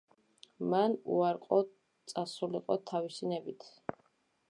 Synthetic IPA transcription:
manṵaɾqʼɔ | t̪sʼasuliqʼɔt̪ʰavisinɛbit̪ʰ

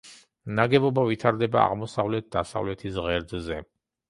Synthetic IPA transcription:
naɡɛbɔbavit̪ʰaɾd̪ɛba̰a̰ʁmɔsavlɛt̪̚ʰd̪asa̰vlɛt̪ʰisʁɛɾd̪zɛ

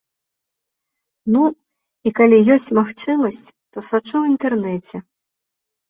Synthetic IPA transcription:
nu | ikalʲijɔsʲt͡sʲmaxt͡ʂɨmɐsʲt͡sʲt̪ɔsat͡ʂuwint̪ɛrnɛt͡sʲɛ

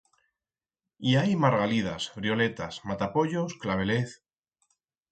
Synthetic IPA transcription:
iajmaɾɣalið̞a̰sfɾio̞le̞t̪asmat̪apo̞ʎo̞sklaβ̞e̞leθ

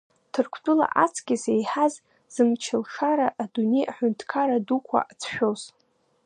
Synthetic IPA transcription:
tʰɨrkʷʰdʼula̰ʔat͡sʰɡʲizejħaz | z̥ɨmt͡ʃʰɪlʂaɾaʔːdunejʔaħʷʊntʰkʰaɾadukʷʰa̰ʔat͡sʰʃᶣoz̥

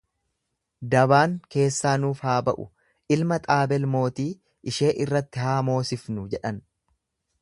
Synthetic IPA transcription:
d̪ɐβaːŋke̞ːsːaːnuːfhaːbɐʔʊ̰ | ʔɪlmɐt̪ʼaːbɛlmo̞ːt̪iː | ʔɪʃe̞ːʔɪrːɐt̪ːɪhaːmo̞ːsɪfnʊd͡ʒɛᶑɐn

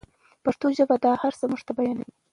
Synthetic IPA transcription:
paʂt̪oʒabad̪ɑhaɾsəmuʐt̪abajɑnawi

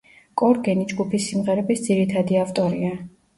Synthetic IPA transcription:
kʼɔɾɡɛnid͡ʒɡupʰisːimʁɛɾɛbisd̪ziɾit̪ʰad̪iaft̪ʼɔɾia

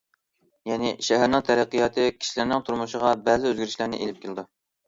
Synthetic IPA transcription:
jɛnɪʃæɦæɾnɪŋt̪ʰæɾæqːijɑːt̪ʰɨkʲʰi̥ʃilæɾnɪŋt̪ʰuɾmuʃəʁɑbæzɪøzɡʲiɾɪʃlæɾnɪ̰ʔelɪp̚kʲʰelɪd̪u

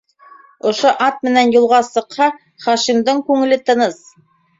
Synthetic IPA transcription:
ŏʃoʔɑt̪̚mɘ̆nænjŭlˠʁɑsɤ̆qhɑ | χɑʃimd̪ɤɴkʉŋɘ̆lɘt̪ɤ̆nɤs

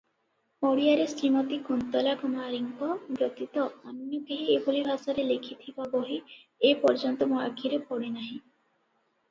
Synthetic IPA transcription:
oɽijaɾesɾimɔt̪ikunt̪ɔlakɔmaɾiŋkɔbɾɔt̪it̪ɔɔnnibeɦeebʱolibʱasɔɾelekʰit̪ʰibaboɦi | epɔɾd͡ʒɔnt̪ɔmɔa̰kʰiɾepɔɽenaɦĩ

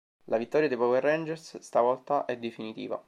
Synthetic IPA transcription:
lavit̪ːɔːɾjad̪epɔwɛrːɛnd͡ʒɛrsst̪avɔlt̪aʔɛd̪ːefinit̪ḭːva̰

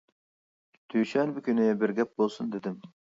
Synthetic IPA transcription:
t̪ʰyjʃɛnbɪkʲynɪbɪɾɡʲɛp̚bolˠsund̪ɪd̪ɪm

